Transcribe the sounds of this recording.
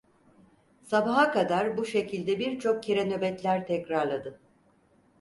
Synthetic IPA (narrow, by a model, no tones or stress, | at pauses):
sabaɦakad̪aɾbuʃe̞cʰilʲd̪ɛbiɾt͡ʃʰo̞k̚cʰeɾɛnø̞bɛt̪lʲæɾt̪ʰɛcɾaɾlˠad̪ɯ